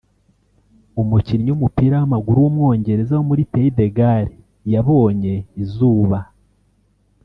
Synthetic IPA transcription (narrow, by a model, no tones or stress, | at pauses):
omuciɾɲomupiːɾahamaɡuɾuwomwo̞ːɲɟe̞ɾe̞zahomuɾipeide̞ɡaɾe | jaβo̞ːɲe̞izuːβa